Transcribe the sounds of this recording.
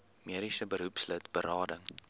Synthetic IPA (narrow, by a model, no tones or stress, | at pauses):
miəɾisəbəɾupslətbəɾɑːdəŋ